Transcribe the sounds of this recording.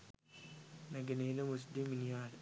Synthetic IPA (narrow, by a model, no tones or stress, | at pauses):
naɡenelemus̬deminijal